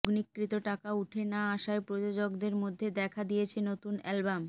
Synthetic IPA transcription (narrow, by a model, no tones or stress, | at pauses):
ɡnikːɾit̪oʈakauʈʰenaaʃaepɾod͡ʑod͡ʑoɡd̪eɾmod̪ʱːed̪ɛkʰad̪ijet͡ɕʰenot̪unɛlbam